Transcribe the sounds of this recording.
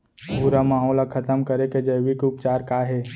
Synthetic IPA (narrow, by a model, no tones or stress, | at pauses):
bʱuɾamaːɦɔːlakʰət̪əmkəɾeked͡ʒəjʋikʊpt͡ʃaːɾkaːɦe